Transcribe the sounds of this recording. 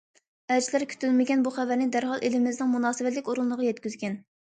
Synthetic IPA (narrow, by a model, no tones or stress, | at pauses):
ɛd͡ʒlæɾkʲʰy̥t̪ylmɪɡʲɛnbuχævæɾnɪd̪æɾɦɑlˠʔelɪmɪznɪŋmunɑːsɨvɛt̪lɪkʲoɾunːˠəʁɑjɛt̪̚kʲyzɡʲɛn